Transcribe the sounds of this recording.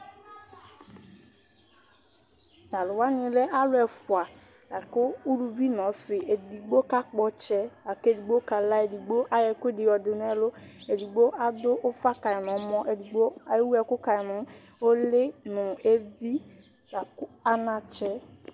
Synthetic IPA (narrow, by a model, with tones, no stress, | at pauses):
da˨lʊ˨wa˦ɲɪ̃˨lɛ˦ʔa˦lʊ˦ɛ˨fʊ˨a˨ | a˨kʊ˦u˦lu˨vi˦nɔ̃˨˦sɪ˨ʔe˨di˨ɡ͡bo˦ka˦k͡pɔ˦t͡ʃɛ˦a˨ke˦di˨ɡ͡bo˦ka˨la˦e˨di˨ɡ͡bo˦ʔa˦jɛ˨kʊ˦e˦dɪ˨ɔ˨dɪ˨n˦ɛ˦lʊ˦e˨di˨ɡ͡bo˦ʔa˦dʊ˦ʔʊ˦fa˦ka˨ɪ˨nɔ̃˨˦mɔ̃˦ʔe˨di˨ɡ͡bo˦˨˦wu˦ɛ˨kʊ˦ka˨ɪ˨nʊ˨˦ | o˦lɪ˦nʊ̃˨e˦vi˦ | a˨ka˦nã˨t͡ʃɛ˦